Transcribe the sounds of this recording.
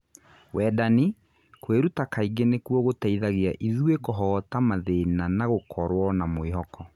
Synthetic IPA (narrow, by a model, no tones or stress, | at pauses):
wɛdani | kweɾutakaiɡenekwɔɣotaiðaɣiaʔiðuekɔɦɔːtamaðenanaɣokʰɔɾwɔnamoeɦɔkʰɔ